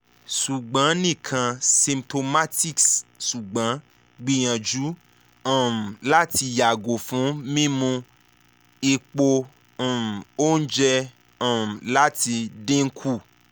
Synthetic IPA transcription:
su˨ɡ͡bã˨˦nĩ˦˨kʰã˧sĩ˧mto˧ma˦ti˦kssu˨ɡ͡bã˨˦ | ɡ͡bi˧j̃ã˨d͡ʒu˨˦ | ɔ̃˨m̩˨la˦ti˧ja˨ɡo˨fũ˨˦mĩ˦mũ˧ | i˧k͡põ˧˨ | m̩˨o˦n̩˦d͡ʒɛ˧ | ɔ̃˨m̩˨la˦ti˧dẽ˦ŋ̩˦kʰu˦˨

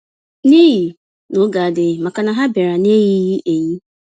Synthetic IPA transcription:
ni˦ɣi˨ | no˦ɡa˨a˨dɪ˨ma˨ka˨na˨ɦa˦be˨ɾa˨ne˦ɣi˦ɣi˦ʔe˨ɲi˦

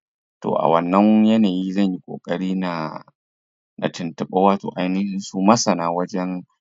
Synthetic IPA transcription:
to̰ː˨ʔa̰˨wɐ˨nːɐ˦ŋjɐ˦naː˨ji˦zɐ˦˨ɲji˦kʷʼo̰ː˨kʼɐ˦ɽiː˦na˨ | nʔa̰˨tɪ˨ntɐ˨ɓaː˦waː˦to̰ː˨ʔa˨jnɪ˦hɪ˦nsu˦mɐ˦sɐ˨naː˦wɐ˦d͡ʒɛ˦n

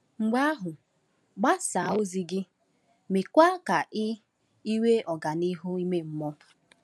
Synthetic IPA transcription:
ŋ͡m̩˨ɡ͡ba˦a˦ɦʊ˨ | ɡ͡ba˦sa˨o˦zi˦ɡɪ˦ | me˨kʷa˦ka˨ʔɪ˦ | i˦we˦ʔɔ˨ɡa˨ni˦ɦʊ˦i˦me˦m̩˦mɔ˦

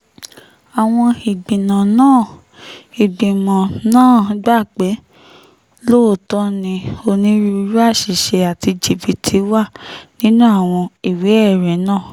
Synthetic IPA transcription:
a˨w̃ɔ̃˧i˨ɡ͡bĩ˨nã˨nãː˦˨ | i˨ɡ͡bĩ˨mɔ̃˨nãː˦˨ɡ͡ba˦˨k͡pe˨˦ | lo˦˨tɔ˦nĩ˧o˧nĩ˦ɾi˧˦ɾu˦a˦˨ʃi˨ʃɛ˧a˨ti˧d͡ʒi˨bi˨tʰi˨˦wa˦˨nĩ˦nũ˦a˦˨w̃ɔ̃˧i˨we˨˦ɛ˦˨ɾɛ˨˦nãː˦˨

